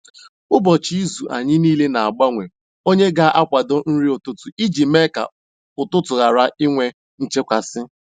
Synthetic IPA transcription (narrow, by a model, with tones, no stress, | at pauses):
ʊ˦bɔ˨t͡ʃi˦zu˨ʔa̰˨ɲɪ˦niː˦le˦na˨a˨ɡ͡ba˦ŋʷe˨ | o˦ɲe˦ɡa˦ʔa˦kʷa˨do˦n̩˦ɾi˦ʊ˨tʊ˦tʊ˨i˦d͡ʒi˨me˦ka̰˨ | ʊ˨tʊ˦tʊ˨ɣa˨ɾa˦i˦ŋʷe˦ | n̩˨t͡ʃe˦kʷa˨sɪ˦